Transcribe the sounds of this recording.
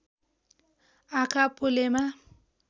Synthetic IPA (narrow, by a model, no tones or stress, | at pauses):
akʼapʼʊlema